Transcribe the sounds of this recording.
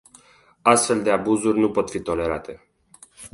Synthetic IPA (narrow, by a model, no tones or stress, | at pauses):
ast̪fe̞ld̪e̞abuzurʲnupo̞t̪fit̪o̞le̞ɾa̰t̪e̞